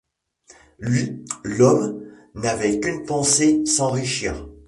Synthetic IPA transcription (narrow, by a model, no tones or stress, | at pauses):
lɥilɔmnavɛkʲynpɑ̃sesɑ̃ʁiʃiːʁ